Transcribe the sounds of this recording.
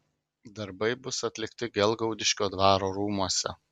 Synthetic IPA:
d̪ɐɾbɐɪbʊsɐt̪ʲlʲɪkt̪ʲɪɡʲɛlˠɡɐʊd̪ʲɪʃʲkʲoːd̪ʋɑːɾoːɾuːmuɔsʲɛ̰

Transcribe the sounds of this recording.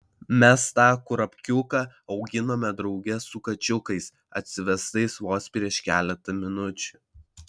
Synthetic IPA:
mʲɛst̪ɑːkʊɾɐpʲkʲʊkɑɒʊɡʲɪnoːmʲɛd̪ɾɒʊɡʲɛsʊkɐt͡ʃʲʊkɐɪs | ɐt̪ʲsʲɪʋʲɛst̪ɐɪsʋoːspʲɾʲiɛʃkʲæːlʲɛt̪ɐmʲɪnʊt͡ʃʲʊːˑ

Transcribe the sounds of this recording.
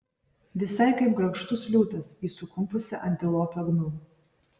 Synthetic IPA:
ʋʲɪsɐɪkɐɪpɡɾɐkʃt̪ʊslʲuːt̪ɐsiːsʊkʊmpʊsʲɪʔɐnʲt̪ʲɪlˠoːpʲɛɡnuː

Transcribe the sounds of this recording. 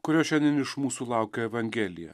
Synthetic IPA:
kʊɾʲoːʃʲɛnʲd̪ʲɛnɪʃmuːsuːlˠɑˑʊkʲoːɛʋɐŋʲɡʲɛlʲɪjɛ̰

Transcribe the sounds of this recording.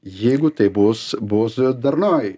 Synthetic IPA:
jeːɡʊt̪ɐbosbosd̪ɐɾnɑːj

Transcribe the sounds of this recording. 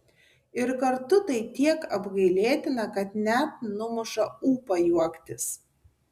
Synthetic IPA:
ɪɾkɐɾt̪ʊt̪ɐɪt̪ʲiɛkɐbɡɐɪlʲeːt̪ʲɪnɐkɐt̪nʲæt̪̚nʊmʊʃɐuːpɐjuɔkt̪ʲɪs

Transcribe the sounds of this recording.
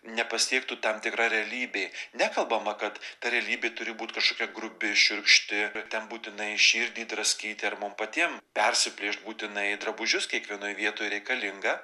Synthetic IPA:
nʲɛpɐsʲiɛkt̪ut̪ɐmt̪ʲɪkrɑːɾʲɛɐlʲiːbʲeːnʲækɐlˠbɐmɐkɐt̪t̪ɐɾʲɛɐlʲiːbʲeːt̪ʊɾʲɪbuːt̪ʲkɐʃkoːkʲɛɡrʊbʲɪʃʲʊɾkʃʲt̪ʲɪt̪ʲɛnbuːt̪ʲɪnɐɪʃʲiːɾʲd̪ʲiːd̪ɾɐsʲkʲiːt̪ʲɪɐrmʊmpɐt̪ʲiɛmpʲɛrʲsʲɪpʲlʲiːʃt̪̚buːt̪ʲɪnɐɪd̪ɾɐbʊʒʲʊskʲiɛkʋʲiɛnoːjʋʲiɛt̪oːjɾʲɛɪkɐlʲɪŋɡɐ

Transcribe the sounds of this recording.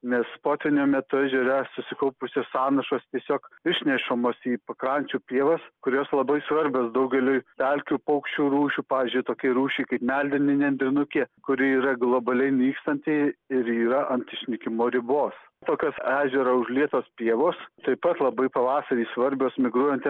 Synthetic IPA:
nʲɛspoːt̪ʲʋʲɪnʲoːmʲɛt̪ʊæʒʲɛɾʲɛsʊsʲɪkɐʊpʊsʲoːsɑːnɐʃoːst̪ʲiɛsʲoːkɪʃʲnʲɛʃomoːsiːpɐkɾɐnʲt͡ʃʲuːpʲeːʋɐskʊɾʲoːslˠɐbɐɪsʋɐɾʲbʲoːsd̪ɐʊɡʲɛlʲojtʲælʲkʲuːpɐʊkʃʲt͡ʃʲuːɾuːʃʲuːpɑːʋʲɪzʲd͡ʒʲʊɪt̪oːkʲɛɾuːʃʲɛɪkɐɪpmʲælʲd̪ʲɪnʲɪnʲɛnʲd̪ʲɾʲɪnʊkʲeːkʊɾʲɪiːɾɐɡlˠoːbɐlʲɛɪnʲiːkst̪ɐnʲt̪ʲɛɪɪɾiːɾɐʔɐnʲsʲɪʃʲnʲɪkʲɪmoːɾʲɪboːs | t̪oːkʲoːsæːʒʲɛɾɐʊʒlʲiɛt̪oːspʲiɛʋoːst̪ɐɪpɐt̪lˠɐbɐɪpɐʋɑːsɐɾʲiːsʋɐɾʲbʲoːsmʲɪɡɾuɔjɛnt̪ʲ

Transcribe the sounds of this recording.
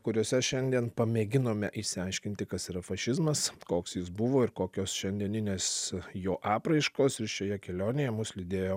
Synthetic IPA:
kʊɾʲoːsʲɛʃʲɛnʲd̪ʲiɛnpɐmʲeːɡʲɪnoːmʲɛʔɪsʲɪɐɪʃʲkʲɪnʲt̪ʲɪkɐsiɾɐfɐʃʲɪzmɐskoːksjɪs̬bʊʋoːɪɾkoːkʲoːsʃʲɛnʲd̪ʲiɛnʲɪnʲeːsjoːʔɑːpɾɐɪʃkoːsɪʃʲoːjɛkʲɛlʲoːnʲejɛmʊslʲɪd̪ʲeːjoː

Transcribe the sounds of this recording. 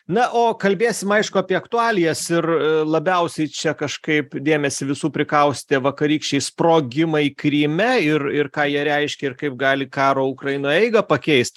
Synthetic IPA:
nɐʔoːkɐlʲbʲeːsʲɪmɐɪʃkʊɐpʲiɛɐkt̪ʊɑːlʲɪjɛsɪrlˠɐbʲɛʊsʲɛɪt͡ʃʲɛkɐʃkɐɪpd̪ʲeːmʲɛsʲɪʋʲɪsuːpʲɾʲɪkɐʊsʲt̪ʲeʋɐkɐɾʲiːkʃʲt͡ʃʲɛɪsproːɡʲɪmɐikɾʲiːmʲɛɪrɪrkɑːjiɛɾʲɛɪʃʲkʲɛɪrkɐɪp̚ɡɑːlʲɪkɑːɾoːʊkɾɐjɪnoːɛɪɡɐpɐkʲɛɪst̪ʲ

